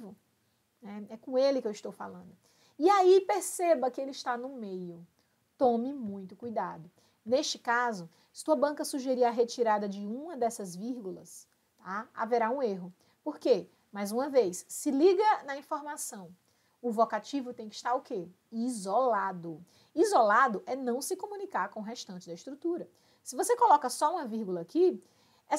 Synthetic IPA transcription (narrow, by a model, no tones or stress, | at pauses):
vʊ | nɛɛkõelɪkewist̪owfa̰lɐ̃nd̪ʊ | iaipeɾsebɐkɪelɪiʃt̪anʊmejʊ | t̪õmɪmũj̃t̪ʊkujd̪ad̪ʊ | neʃt͡ʃɪ̥kazʊ | sɪ̥t̪uɐbɐ̃ŋkɐsuʒeɾiaɦet͡ʃiɾad̪ɐd͡ʒɪũmɐd̪ɛsɐzviɾɡulɐs | t̪aa̰veɾaũeɦʊ | poɾke | majzũɐvejsːɪliɡɐnɐĩfoɾmasɐ̃w̃ | ʊvokat͡ʃivʊt̪ẽj̃kɪi̥ʃt̪aɾʊke | izolad̪ʊ | izolad̪ʊʔɛnɐ̃w̃sɪkõmũnikaɾkõʊɦeʃt̪ɐ̃nt͡ʃɪd̪ɐiʃt̪ɾut̪uɾɐ | sɪvosekolɔkɐsɔũmɐviɾɡulɐːki | ɛ